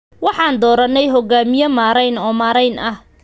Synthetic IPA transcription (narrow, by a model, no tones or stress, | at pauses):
wɑħɑːnd̪ɔːɾɐnːɛjɦɔɡaːmɪjɐmaːɾɛjnɔːmaːɾɛjnʔɐh